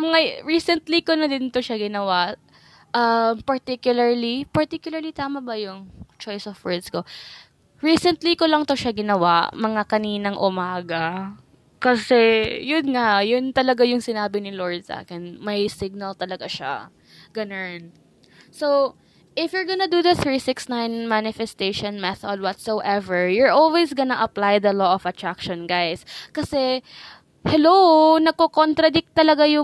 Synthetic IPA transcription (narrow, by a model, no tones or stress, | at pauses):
mɐŋaɹiːsɛnt̪likonɐd̪ɪnt̪oʃaɡɪnɐwaʔ | ʔɐmpɐɹt̪ikjʊlɐɹlipɐɹt̪ikjʊlɐɹlit̪aːmɐbɐjʊŋt͡ʃojsɔfwɛɹd̪sko | ɹiːsɛnt̪likolɐŋt̪o̞ʃaɡɪnɐwaʔmɐŋakɐniːnɐŋʔʊmaːɡɐ | kɐsɛjʊnŋaʔjʊnt̪ɐlɐɡajʊŋsɪnaːbɪnɪloɹd̪̚sʔa̰ːkɪnmɐjsɪɡ̚nɐlt̪ɐlɐɡaʃa̰ | ɡ̥ɐnan | sow | ʔɪfjʊɹɡɐnɐd̪ud̪ɐθɹisɪksnãjnmanɪfɛst̪eʃɔ̃nmɛθɐd̪̚wɔt̪sowʔɛvɛɹjʊɹʔolwejsɡɐnɐʔɐplajd̪ɐloʔɔfɐt̪ɹakʃɔ̃nɡajskɐsɛ | hɛlownɐɡ̚kokont̪ɾɐd̪ɪk̚t̪ːɐlɐɡajʊ